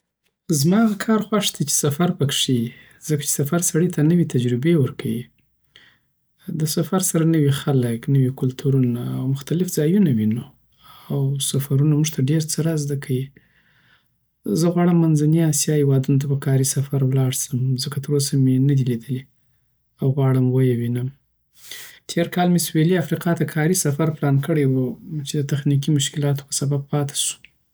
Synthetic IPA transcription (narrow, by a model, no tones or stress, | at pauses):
zmɑɣakʰɑɾxwaʂd̪at͡ʃe̥safaɾpəkʂi | z̥əkḁt͡ʃe̥safaɾsaɽit̪ʰanəwet̪ad͡ʒɾɪbewəɾkʰawi | d̪əsafaɾsaɾanəwixaləknəwikʊlt̪ʰuɾunaːwmʊxt̪alɪfzɑjunawinu | awsafaɾunamuʐt̪ʰaɖeɾt͡səɾazd̪akʰawi | zəɣwɑɽəmːanzaniasjɑhewɑd̪unot̪̬apəkʰɑɾisafaɾwlɑɽsəmzəkat̪əɾos̬amenad̪ilid̪əli | awɣwɑɽəmwəjawinəm | t̪ʰeɾkɑlmesweliafɾiqɑt̪akʰɑɾisafaɾplɑnkəɽəjwut͡ʃed̪ət̪axnik̬imʊʃkɪlɑt̪o̥pəsabab̚pɑt̪ʰḁʃu̥